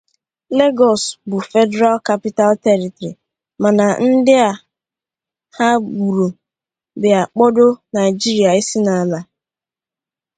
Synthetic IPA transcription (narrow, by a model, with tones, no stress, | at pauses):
le˦ɡɔ˨sbʊ˨fɛ˦dɛ˦ɾa˦lka˦pi˦ta˦ltɛ˦ɾi˨tɾi˨ | mã˨nã˨n̩˦dɪ˦a˨ | ha˦bu˨ɾo˨ | bɪ˨a˨k͡pɔ˦do˦na˨ɪ˨d͡ʒi˦ɾi˨a˨e˦si˦nã˨la˨